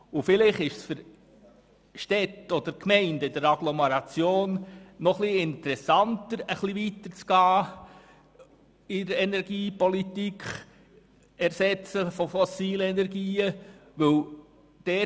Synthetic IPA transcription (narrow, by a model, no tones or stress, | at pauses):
ʊfɪlɪχɪʃsfʏɾ | ʃtɛtɔd̥̪əɾkmɛɪndɪd̪əɾɑɡlɔmɛɾɑt͡sjoːnːɔχliɪnt̪əɾɛsɑntəɾəχliʋitət͡sɡ̥ɑː | ɪɾɛnɛɾɡ̥iːpɔlit̪ikχ | ɛɾsɛt͡səfɔfɔsiːlɛnɛɾɡiːəʋɵl | d̥ɛː